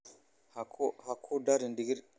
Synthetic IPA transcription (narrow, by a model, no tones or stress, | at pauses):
hakʰhakʰodaɾindiɡiɾ